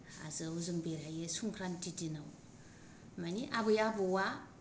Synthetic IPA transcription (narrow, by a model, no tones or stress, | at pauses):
a̰zɯuzɯŋbeɾajesuŋkʰɾantitinaw | maniʔabɯjabɯwa